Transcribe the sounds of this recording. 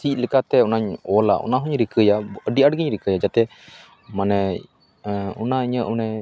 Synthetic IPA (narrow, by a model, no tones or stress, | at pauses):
sic̚lɛkat̪ɛɔnaɲɔla̰ʔɔ̰naɦuɲɾikʰəjaəɖiʔaɖɡiɲɾikəjad͡ʒat̪ɛ | manɛ | ṵnaiɲəʔunɛ